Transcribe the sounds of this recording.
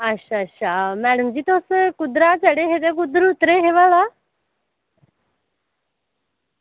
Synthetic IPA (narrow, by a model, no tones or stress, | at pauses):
əʃʰaəʃʰamɛːɽəmd͡ʑiːt̪oskʊd̪ɾat͡ʃəɽeɦet̪ekud̪ɾut̪ɾeɦeʋaːla